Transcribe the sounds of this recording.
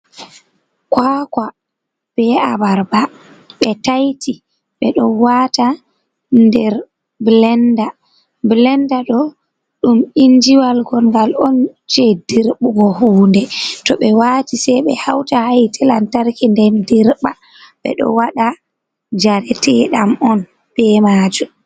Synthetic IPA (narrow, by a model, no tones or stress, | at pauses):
kwaka | b̥ɛabaɾba | ɓɛtajti | ɓɛɗɔwaːta | ndɛɾ | blɛnda | blɛndaɗɔ | ɗumind͡ʒiwalɡɔlŋɡalɔnt͡ʃɛdiɾɓuɡɔhuːndɛtɔɓɛwaːtisɛɓɛhawtahajtʰɛlantaɾkindɛndiɾɓa | ɓɛ̰ɗɔ̰waɗa | d͡ʒaɾɛtɛɗamɔn | b̥ɛmaːd͡ʒum